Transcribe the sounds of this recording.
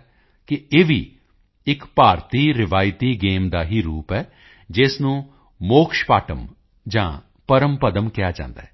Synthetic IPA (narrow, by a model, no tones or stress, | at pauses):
kɪeːʋiː | ɪkpaːɾt̪iːɾɪʋaːɪt̪iːɡeːmd̪aːɦiːɾuːpɛː | d͡ʒɪsnũː | moːkʃpaːʈəm | d͡ʒãː | pəɾəmpəd̪əmkɪjaːd͡ʒã̰ːnd̪a̰ːɛː